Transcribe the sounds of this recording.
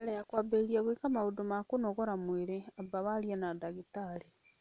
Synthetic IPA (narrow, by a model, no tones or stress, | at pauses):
ɾejakwabeɾiaɣwekamaudomakonoɣɔɾamweɾeabaβaɾjanadaɣitaɾi